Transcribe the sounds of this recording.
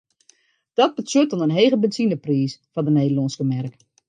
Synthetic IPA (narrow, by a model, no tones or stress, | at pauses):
d̥ɔt̚bəsutɔnənɦeːɣəbɛnsinəpriːsfɔndəneːdəlɔnskəmɛrk